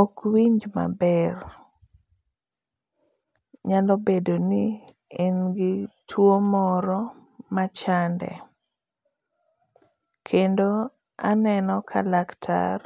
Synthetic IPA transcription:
okwiɲd͡ʒma̰bɛr | ɲalɔbedoni | inɡɪtʰwomɔɾɔmat͡ʃandɛ̰ | kʰendo | anɛnɔkʰa̰laktʰa̰r

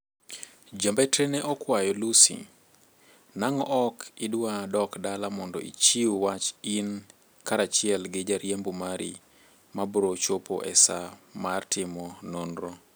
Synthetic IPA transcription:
d͡ʒambetɾeneʔɔkwajɔlusḭ | naŋɔʔɔkɪdwadɔkdalamɔndɔ̰ʔḭt͡ʃiwat͡ʃin | kaɾat͡ʃɪɛlɡɪd͡ʒaɾjembumaɾi | mabɾot͡ʃopo̰ʔɛsamartɪmɔnonɾo

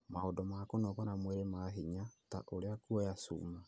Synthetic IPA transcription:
maodɔmakonɔβanamweɾemaɦiɲata̰ʔoɾeakuɔjasṵːma

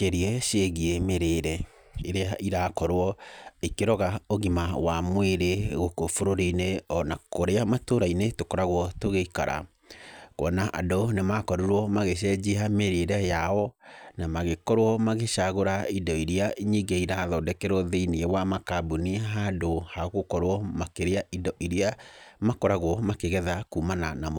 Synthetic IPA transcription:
keɾiɛʃeɣiemeɾeɾɛ | eɾeaiɾakɔɾɔikeɾɔɣaoɣimawamweɾeɣokofoɾoɾineɔnakoɾeamatoɾainetokɔɾaɣwɔtoɣeika̰ɾa̰ | kwɔ̰naʔa̰donemakɔɾuɾwɔmaɣeɕ̬ɛd͡ʑihameɾeɾɛjaɔnamaɣekɔɾwɔmaɣeɕaɣoɾaidɔiɾiaiɲiɡeiɾaðɔdɛkɛɾɔðeiniewamakabuniɦadohaɣokɔɾwɔmakeɾeaʔidɔʔiɾiamakɔɾaɣwɔmakeɣɛðakuːmananam

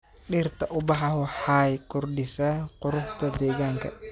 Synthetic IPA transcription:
ɗɪːrt̪ʰɐʔʊbɑħɐɦʊħajkʰʊrɖɪsɐqʊɾʊħt̪ʰɐd̪ɛːɣaːŋkʰɐ̰

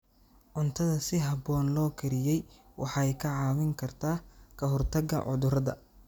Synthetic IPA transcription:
ʕʊnt̪ʰɐðɐsɪɦɐbɔːnlɔːkʰɐɾɪjɛjwʔɑħɑɛjkʰɐʕɑːwɪŋkʰɐrt̪ʰaːkʰɐɦɔrt̪ʰɐɡɐ̰ʕʊ̰ðʊɾɐðɐ̰

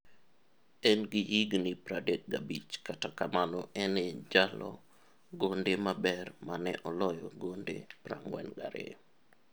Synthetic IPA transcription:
ɛnɡihiɡnipɾadek̚ɡabit͡ʃkatakamanɔʔɛned͡ʒalɔ̰ | ɡondemabɛrmanɛʔɔlɔjɔɡondḛpra̰ŋwɛ̰nɡaɾḛ

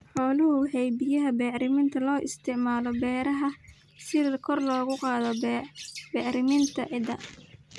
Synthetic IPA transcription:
ħɔːlʊɦʊhɛjbɪjɐɦɐbɛːʕɾɪmɪnt̪ʰɐlɔːʔɪ̰st̪ʰɪʕmaːlɔbɛːɾɐɦɐ | sɪkʰɔrlɔːɣʊqɑːðɔ | bɛːʕɾɪmɪnt̪ʰɐʕɪd̪ɐ

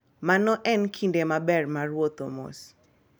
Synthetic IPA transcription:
manɔʔɛnkʰindemabɛrmarwot̪omo̰s

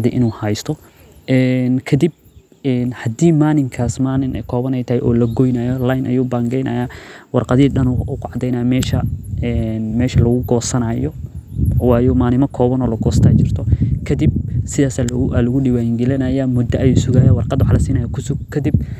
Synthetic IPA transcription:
ðḭʔɪnuːhɐjst̪ʰɔ | ʔɛːnkʰɐd̪ib̚ | ɛːnhɐd̪iːmaːnɪŋkʰaːsmaːnɪnɛkʰɔːβɐnɛjt̪ʰɐhɛʔɔːlɐɡɔjnaːjɔlajnʔɐ̰juːbaːŋɡɛjnɐ̰ːjaːwɑrqɑðiːɗɐnuʊkʰʊʕɑd̪ɛjnaːjmɛːʃɐɛnmɛːʃɐlɐɣʊɡɔːsɐnajɔ | wɑːjɔmaːnɪmɐkʰɔːβɐnɔːlɐɡɔːst̪ʰaːt͡ʃɪr̥t̪ʰɔkʰɐd̪ib̚sɪðaːsaalɐɣʊɖɪwaːjɪŋɡɪlɪnɐjamʊd̪ɐʔɐjuːsʊɣaːjawɑrqɑd̪wɑħlɐsiːnɐjakʰʊsʊɡkʰɐd̪ib̚

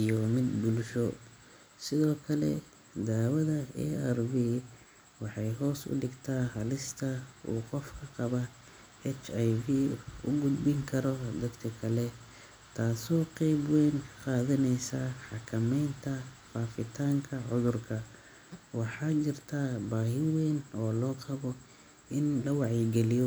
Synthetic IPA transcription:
ijɔmɪd̪bʊlʃɔ | sɪðɔːkʰɐlɛ̰ | d̪aːwɐðɐɛ̰ɛrbiː | wɑħɑjɦɔːsʊ̰ɖɪɡt̪ʰaːhɐlɪst̪ʰɐṵːqɔfkʰɐqɑβɐ | ɛt͡ʃajviːʊ̰ɡʊd̪bɪŋkʰɐɾɔd̪ɐd̪kʰɐkʰɐlɛ | t̪ʰaːsɔːqɛjbwɛːnkqɑːðɐnɛjsaːħɑkʰɐmɛjnt̪ʰɐ | faːfɪt̪ʰaːŋkʰɐʕʊðʊrkʰɐ | wɑħɑːt͡ʃɪrt̪ʰabaːɦɪwɛːnɔːlɔːqɑβɔ | ɪnlɐwɑʕjɛɡɛlɪjɔ

